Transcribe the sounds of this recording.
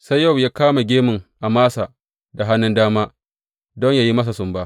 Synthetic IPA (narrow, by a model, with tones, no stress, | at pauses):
sa˦jːɐ˦˨wjaː˦kaː˦ma˨ɡʲeː˦mʊ˨ŋʔa˨maː˦sa˨ | da˨ɦa˦nɪ˦ndaː˦maː˦ | dɔ˦ɲja˦˨ji˦mɐ˦s̬a˨sʊ˨mbaː˦